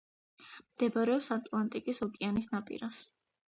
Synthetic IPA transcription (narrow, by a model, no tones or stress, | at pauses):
md̪̥ɛbaɾɛɔpsat̪ʼlˠant̪ʼikʼisɔkʼianisnapʼḭɾas